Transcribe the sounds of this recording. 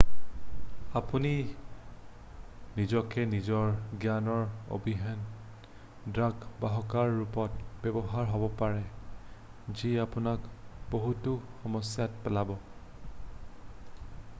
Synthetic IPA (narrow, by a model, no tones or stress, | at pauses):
apuni | nizɔkɛnizɔɹɡjanɔɹo̰bʱiɦɛn | dɹaɡbaɦɔkaɹːupɔtbɛbɔɦaɹɦɔbɔpaɹɛ | ziapunakboɦutuxɔmɔsjatpɛlabɔ